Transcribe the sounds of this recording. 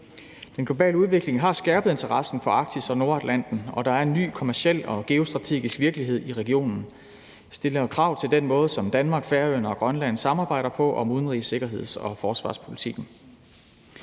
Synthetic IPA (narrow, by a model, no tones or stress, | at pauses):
d̥enɡ̥lo̝b̥ɛ̰ːləuðˠʋe̝ɡ̥le̝ŋɦɑ̈sɡ̥æɐb̥ð̩ˠe̝nt͡sʰɐʁɑ̈sn̩fɒ̽ɑ̈ɡ̥̚d̥isɒ̽no̝ɐæd̥læn̰d̥n̩ɒ̽d̥ɑ̈æɐe̝nːy̰ːkʰo̝mæɐsiel̰ɒ̽ɡ̥e̝o̝sd̥ʁɑ̈t͡sʰe̝̰ːɡ̥isɡ̥ʋiɐɡ̥liɦe̝ð̞̰ˠiʁɛɡ̥io̝̰ːnn̩ | sd̥e̝lɐkʰʁɑ̈ʊ̰t͡sʰe̝ld̥enmɔ̽ːð̞̩ˠsɒ̽md̥ænmɑ̈ːɡ̥fæɐønɐɒ̽ɡ̥ʁɶnlæn̰sɑ̈mɑ̈ːb̥ɑ̈ɪ̰ɾ̥ɐpʰɒ̽ʔɒ̽muðˠn̩ʁise̝ɡ̥ɐɦe̝ð̞̰ˠsɒ̽fɒːsʋɑ̈ːspʰo̝lit͡sʰiɡ̥n̩